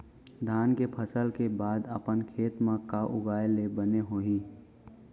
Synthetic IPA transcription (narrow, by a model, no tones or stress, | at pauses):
d̪ʱaːnkepʰəsəlkebaːd̪ə̰pənkʰeːt̪mãkaʔʊɡaːjelebəneɦoːĩ